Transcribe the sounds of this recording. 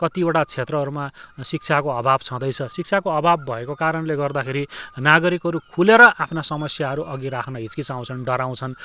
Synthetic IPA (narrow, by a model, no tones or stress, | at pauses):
kʌt̪ioʈat͡sʰet̪rʌɦʌɾumasik̚t͡sʰakoʌbʱabt͡sʰʌ̃d̪ʌjt͡sʰʌsik̚t͡sʰakoʌbʱabːʱʌekokaɾʌnleɡʌrd̪akʰeɾinaɡʌɾikɦʌɾukʰuleɾʌʔapʰnasʌmʌsjaɦʌɾuʔʌɡiɾakʰnʌɦit͡skit͡saw̃t͡sʰʌnɖʌɾaw̃t͡sʰʌn